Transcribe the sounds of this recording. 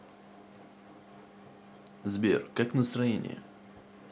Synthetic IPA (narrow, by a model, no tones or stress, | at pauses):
zbʲḛrkaknəst̪ɾɐjenʲɪ̰jə̰